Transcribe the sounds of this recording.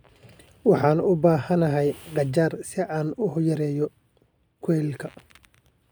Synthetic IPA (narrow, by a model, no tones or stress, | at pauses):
wɑħɑːnʊbaːhɐnɐɦɛjqɑt͡ʃaːrsɪʔaːnʊhʊjɐɾɛːjɔ | kʰwɛːlkʰɐ